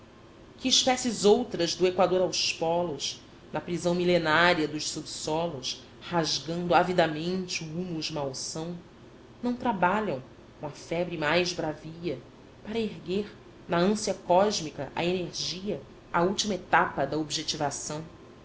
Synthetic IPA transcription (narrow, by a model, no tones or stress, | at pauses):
kɪːʃpɛsɪzowt̪ɾɐzd̪ʊekwad̪oɾawspɔlʊʃ | nɐpɾizɐ̃w̃milenaɾiɐd̪ʊʃsubsɔlʊʃ | haʒɡɐ̃nd̪ʊavid̪amẽnt͡ʃɪuumud͡ʒmawsɐ̃w̃ | nɐ̃w̃t̪ɾabaʎɐ̃w̃ | kõɐfɛbɾɪmajzbɾaviɐ | paɾɐeɦɡeɾ | nɐɐ̃siɐkɔʒmikɐʔɐ̰eneɾʒiɐ | auwt͡ʃimɐet̪apɐd̪ɐobiʒet͡ʃivasɐ̃w̃